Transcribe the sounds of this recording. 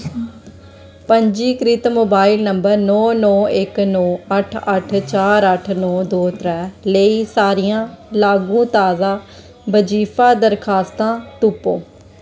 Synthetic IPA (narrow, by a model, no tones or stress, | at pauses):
pəɲd͡ʒiːkɾɪt̪moːbaːilnəmbəɾnɔːnɔːɪknɔːəʈʰəʈʰt͡ʃaːɾəʈʰnɔːd̪oːt̪ɾɛːləiːsaːɾɪjãːlaːɡũːt̪aːzãː | bəd͡ʒiːpʰaːd̪əɾkʰaːst̪ãːt̪upːoː